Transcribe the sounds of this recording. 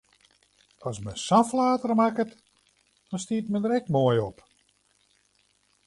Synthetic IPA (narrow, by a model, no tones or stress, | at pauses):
ɔsməsaflaːtərmakət | d̥ɔnstiətmədəɾɛkmoəjɔp